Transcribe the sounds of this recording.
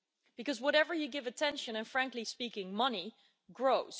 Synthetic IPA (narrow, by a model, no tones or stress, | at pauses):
b̥ɨkʌzwʌɾɛvə˞jɨɡɪvɨtʰɛ̃nʃɨ̃nɨ̃nfɹæ̃ŋklispikɪ̃ŋmʌni | ɡɹoʊz̥